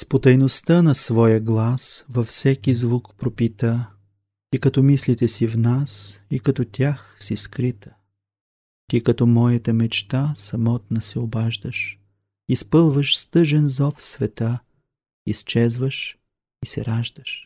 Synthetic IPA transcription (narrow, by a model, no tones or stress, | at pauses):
spot̪ɐjnost̪ənɐsvɔjəɡlˠasvɐfsɛkʲizvukpɾopit̪ə | ikɐt̪ɔmislit̪ɛsivnasikɐt̪ɔt̪ʲjaxsiskɾit̪ə̥ | t̪ikɐt̪ɔmɔjət̪əmɛt͡ʃt̪asɐmɔt̪̚nəsɛobaʒd̪əʃ | ispɤlˠvəʃst̪ɤʒɛnzɔfsvɛt̪a | ist͡ʃɛzvəʃ | isɛ̰ɾaʒd̪əʃ